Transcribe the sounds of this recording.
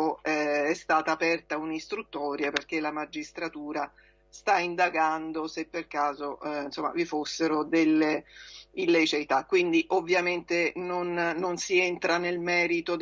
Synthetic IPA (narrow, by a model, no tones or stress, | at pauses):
oɛɛst̪aːt̪aːpɛrt̪aunist̪ɾut̪ːɔːɾjaperk̟elamad͡ʒːist̪ɾat̪uːɾa | st̪aind̪aɡand̪osepːerkaːzoinsomːa̰vifosːeɾod̪elːeilːejt͡ʃejt̪akːwind̪iʔovːjament̪enonːonsient̪ɾanelmɛːɾit̪od̪